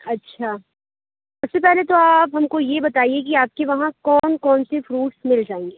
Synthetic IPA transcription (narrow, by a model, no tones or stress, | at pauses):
ɐtːʃʰaː | ʊbsepɛɦlet̪oaːpɦɐmkojebɐt̪aːiek̬iaːp̚keʋɐɦãkɔːnkɔːnsefɾuːʈsmɪld͡ʒaːẽːŋɡeː